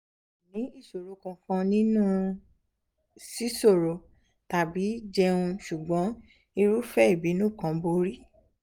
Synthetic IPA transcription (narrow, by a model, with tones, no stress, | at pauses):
nĩ˨˦i˦˨so˨ɾo˨˦kã˧fɔ̃˧nĩ˦nũ˦ | si˦so˦˨ɾo˨ | ta˨bi˨˦d͡ʒɛ˧ũ˧ʃu˨ɡ͡bɔ̃˨˦ | i˧ɾu˦fɛ˦i˦˨bi˨˦nũ˦˨kã˨˦bo˦ɾi˦